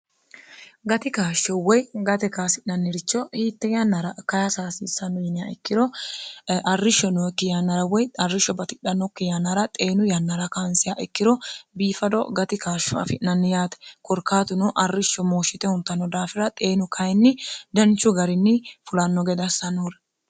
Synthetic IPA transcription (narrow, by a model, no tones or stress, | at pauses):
ɡɐt̪ɪkaːʃːɔwɔjɡɐt̪ɛkaːsɪnɐnːɪɾɪt͡ʃːɔhiːt̪ːɛjanːɐɾɐkɐjasaːsiːsɐnɔjɪnɪjaɛkːɪɾɔ | ɐrːɪʃːɔnɔkːɪjanːɐɾɐwɔjɐrːɪʃːɔbɐt̪ɪɗɐnɔkːɪjanːɐɾɐt̪ʼe̞ːnʊjɐnːɐɾɐkansɪjaʔɛkːɪɾɔbiːfɐd̪ɔ̰ɡɐt̪ɪkaːʃːɔa̰fɪʔnɐnːɪjaːt̪ɛ̥kɔɾkːaːt̪ʊnɔʔɐrːɪʃːɔmoːʃɪt̪ɛhʊnt̪ːɐnːɔd̪aːfɪɾɐt̪ʼe̞ːnʊkʰɐjnːɪd̪ɐnt͡ʃːʊɡɐɾɪnːɪfʊlɐnːɔɡɛd̪ɐsɐnuɾɛ